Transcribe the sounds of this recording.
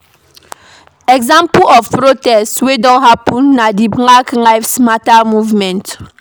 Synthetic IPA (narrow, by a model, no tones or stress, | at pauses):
ɛɡzãmpɔfpɹotɛstwedɔ̃nɦapɔ̃nːadilaklaɪfsmatamuvmɛ̃nt